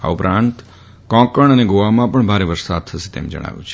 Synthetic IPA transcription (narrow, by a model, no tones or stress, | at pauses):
a̰upɾãnt̪ | kɔ̃kəɳəneɡoʋamãpəɳbʱaɾeʋəɾsad̪̚t̪ʰəʃe̥t̪ḛmd͡ʒə̰ɽ̃a̰ʋjṵ̃t͡ʃʰe